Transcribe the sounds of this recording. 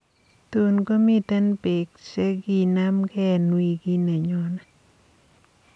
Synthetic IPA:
tu˨nɡo˦mi˦t̪ɛ˦npe˨kt͡ʃe˦ɡi˦na˦mɡɛ˦˨nwi˨ɡi˦nɛ˨ɲɔ˨˦na˨

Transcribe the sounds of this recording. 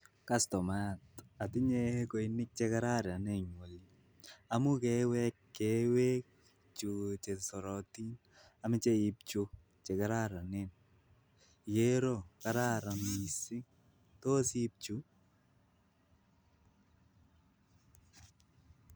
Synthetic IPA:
kastɔ˨ma˦˨ta˨tɪ˦ɲe˦ko˨inɪ˦k̚t͡ʃe˦kaɾa˦ɾa˨nɛ˦ɲwo˨li | a˨mʊ˦kɛwɛ˦kːɛ˦wɛ˦k̚ | t͡ʃu˨t͡ʃe˨sɔ˨ɾɔ˨ti˦n | a˨mɪ˦t͡ʃe˦i˦p̚t͡ʃu˦ | t͡ʃɛ˨ka˦ɾa˦ɾa˨nɛ˨n | je˦ɾo˦kaɾa˦ɾa˨ni˨sɪ˦ŋ | to˦si˦p̚t͡ʃu˦

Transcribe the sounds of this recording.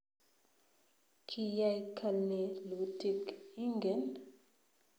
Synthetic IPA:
kʰi˦ja˦jkʰa˨lne˨lu˨tʰi˦˨ki˦ŋɡɛ˨n

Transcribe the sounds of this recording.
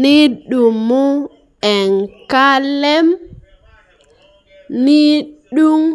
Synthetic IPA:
ni˦ɗu˨mːu˦ | ɛ˨nka˦lɛ˦m | ni˦ɗu˦m

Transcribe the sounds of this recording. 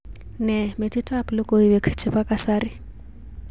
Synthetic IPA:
nɛ˨mɪ˨tʼi˦tʼaplɪ˦kʼoi˦βɛ˦kʰt͡ʃʰɪ˨pa˦kʼasaːrɪ˦

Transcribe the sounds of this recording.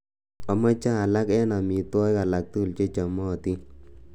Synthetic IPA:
ɔ˨ma˦t͡ʃaː˦˨la˦kɛ˦na˨mi˨twɔ˦ja˨la˨k̚tu˦˨lt͡ʃe˦t͡ʃa˨mɔ˦˨t̪i˦

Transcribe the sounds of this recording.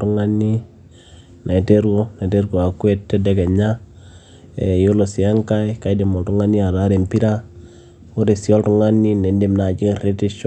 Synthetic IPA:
tu˦ŋa˦nːi˦ | nʔa˨te˦ɾɡo˦na˨te˦ɾɡo˨a˨kwe˦tːe˦de˦ɡe˨ɲa˦ | e˨jo˦lo˨si˨ja˦ŋka˦i˦ka˦de˨mo˨ltu˦ŋa˦nːi˦a˨ɾa˦ɾe˨mpi˦ɾa˦ | u˦ɾe˨si˨o˦ltu˦ŋa˦nːi˦ne˨ndi˦mna˨d͡ʒi˦ŋɾe˦ti˦ʃo˦

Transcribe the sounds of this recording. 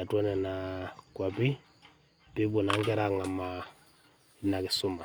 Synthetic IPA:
a˨twɔ˦nɛ˨na˨kwa˨pi˦ | pi˦βo˨na˦ŋɡɛ˦ɾa˨ŋa˨ma˨ | na˨ki˨su˦ma˨

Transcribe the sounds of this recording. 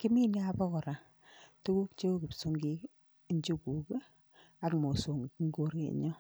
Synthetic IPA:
ki˦mi˦ni˦a˦pɔ˦kɔ˨ɾa˨ | tu˦ku˦kt͡ʃe˦o˦ki˨psu˦ŋɡi˦ | ɲd͡ʒu˦ku˨k | a˨kmo˨so˨ŋ˨kŋɡo˦ɾḛ˦ɲɔ˦

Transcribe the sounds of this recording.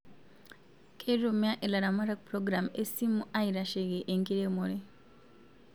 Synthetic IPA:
kʰe˦ɾo˨mja˦ʔe˨la˨ɾa˨ma˦ɾa˦k̚pɾo˦ɡɾa˨me˦si˦mu˦ʔa˦iɾa˨ʃe˨ɣe˨ʔe˨ŋki˦ɾe˦moɾe˦

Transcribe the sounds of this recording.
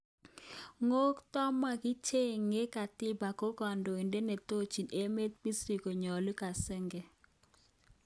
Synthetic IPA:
ŋo˦kt̪ɔ˦ma˨ki˦t͡ʃe˦ŋːe˦ka˨tɪ˦ba˨ko˦kɔ˨ndo˨e˨nde˦ne˨to˦t͡ʃi˨ne˦me˦t̪̚mi˦si˨ko˨ɲɔ˨li˦ka˨sɛ˦ŋɡɛ˨

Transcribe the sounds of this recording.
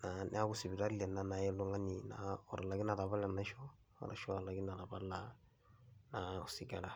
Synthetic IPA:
na˨nʔḛ˦a˦ɡu˦si˨bi˨ɾa˦ɾi˦ɛ˨na˦na˨jɛ˦lo˦ŋɡa˦ni˨na̰˨ɔ̰˨ɾa˨la˨ɡi˦na˨ɾa˨βa˦la˨na˦ʃɔ˦ | ɔ̰˨ɾa̰˨ʃɔ˦˨la˨ɡi˦na˨ɾa˨ba˦la˨ | na˨si˨ɡa˨la˨

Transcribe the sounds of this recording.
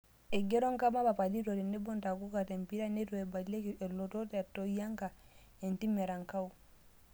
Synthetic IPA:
e˨ɡe˦ɾo˦ŋka˦ma˦ba˨pa˨li˦to˨te˨nːe˦bo˦nta˨ku˦ka˨te˨mpi˦ɾa˦ne˦toe˨ba˨le˦ke˨lo˨to˦tetːo˦ja˦ŋka˨ | e˨nti˦me˨ɾa˨ŋka˦u˨

